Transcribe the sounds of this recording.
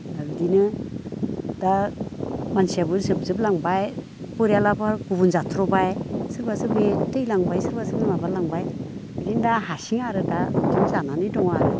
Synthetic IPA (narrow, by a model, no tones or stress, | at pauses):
daɡdinɯ | da | mansijabɯɾsɯb̚zɯp̚laŋbaj | pɯɾijalapʰaɾɡuβunzatʰɾɔbajsɯɾbasɯbetɯjlaŋbajsɯɾbasɯnɯmabaɾlaŋbaj | adindaɦasiŋaɾɯdadimzananidɔŋaɾɯ